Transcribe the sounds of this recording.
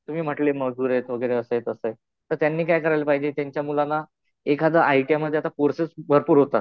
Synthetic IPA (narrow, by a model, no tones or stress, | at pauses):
t̪um̤iːm̤əʈleməuːɾet̪ʋəɡəjɾeəsəjet̪əsəj | t̪əɾt̪janːiːkajkəɾajlepaɦid͡ʑet̪jaɲt͡ɕjamulanːa | ekad͡z̪əʔajʈijaməd̪ʱːeat̪akoɾsesbʱəɾpuːɾɦot̪at̪